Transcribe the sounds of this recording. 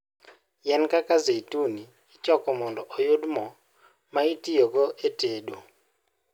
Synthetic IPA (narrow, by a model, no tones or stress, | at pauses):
jɛnkakazetuniːt͡ʃɔkɔmɔndɔʔɔjʊdmɔ | maitijoɡɔʔeteɗo